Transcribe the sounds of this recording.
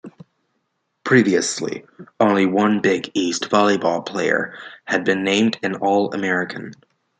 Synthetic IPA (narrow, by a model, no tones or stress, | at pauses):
pʰɹ̥iviɨslḭõʊ̃nliwʌ̃nbɪɡistv̥ɑlˠibɔlˠpʰl̥eɪə̰˞ɨd̚bɨ̃nːẽɪ̃mdɨ̃nɔlˠə̰mɛɹɨkʰɨ̃n